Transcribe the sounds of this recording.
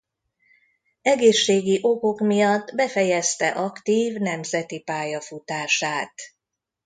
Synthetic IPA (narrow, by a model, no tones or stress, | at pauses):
ɛɡeːʃːeːɡiʔoko̞kmijɒd̪ːbɛfɛjɛst̪ɛʔɒkt̪iːvnɛmzɛt̪ipaːjɒfut̪aːʃaːt̪